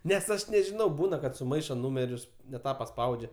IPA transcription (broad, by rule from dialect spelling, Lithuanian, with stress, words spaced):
nʲɛs ˈɐʃ nʲɛʒʲɪˈnɐʊ ˈbuːnɐ kɐt sʊˈmɐɪʃoː ˈnuːmʲɛrʲʊs nʲɛ ˈtɑː pɐˈspɐʊd͡ʒʲɛ